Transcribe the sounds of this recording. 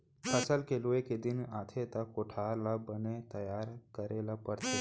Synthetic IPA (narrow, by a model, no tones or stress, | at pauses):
pʰəsəlkeloeked̪ɪnaːt̪ʰet̪akoʈʰaːɾlabənet̪ɐjaːɾkəɾelapəɾt̪e